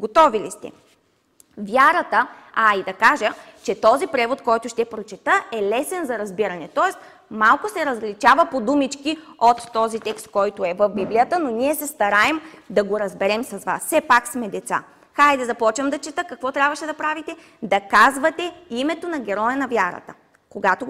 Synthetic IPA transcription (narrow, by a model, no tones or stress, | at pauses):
ɡot̪ɔvilist̪ɛ̰ | vjaɾət̪əaid̪ɐkaʒət͡ʃɛt̪ɔzipɾɛvot̪kɔjt̪ʊʃt̪ɛpɾot͡ʃɛt̪əɛlɛsɛnzɐɾɐzbiɾɐnɛt̪ɔɛs | malˠkʊsɛɾɐzlit͡ʃavəpod̪umit͡ʃki | ot̪ːɔzit̪ɛkst̪̚kɔjt̪ʊɛvəfbiblijət̪ənoniɛsɛst̪ɐɾaɛmd̪ɐɡoɾɐzbɛɾɛmsɐzva̰sːɛpaksmɛd̪ɛt̪sa̰ | xajd̪ɛzɐpɔt͡ʃvɐmd̪ɐt͡ʃɛt̪əkɐkvɔt̪ɾʲabvɐʃɛd̪ɐpɾavit̪ɛ | d̪ɐkazvɐt̪ɛimɛt̪onɐɡʲɛɾɔjɐnɐvʲjaɾə̰t̪ə̥̰ | koɡat̪o